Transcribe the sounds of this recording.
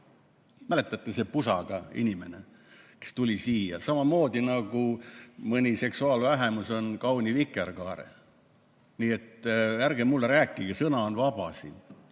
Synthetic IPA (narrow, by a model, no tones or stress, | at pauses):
mæle̞t̪ːˑɑt̪ːˑese̞pusɑ̰ɡ̥ɑḭnʲime̞ne̞ | ke̥st̪ulʲisiːjɑ̰sɑmɑmo̞ːd̪̥inɑɡumɤnʲise̞ksuɑːlvæɦemuso̞nkɑwnʲivikːˑerkɑːɾḛ | niːe̞t̪ærɡ̥emulːeɾæːkˑːiɡ̥esɤnɑonvɑb̥ɑsḭn